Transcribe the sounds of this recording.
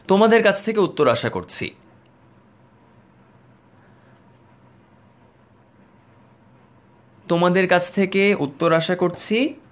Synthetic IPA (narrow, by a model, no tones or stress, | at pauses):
t̪omad̪eɾkat͡ɕʰt̪ʰekeut̪ːoɾaʃako̰ɾt͡ɕʰḭ | t̪omad̪eɾkat͡ɕʰt̪ʰekeʔut̪ːoɾaʃakoɾt͡ɕʰi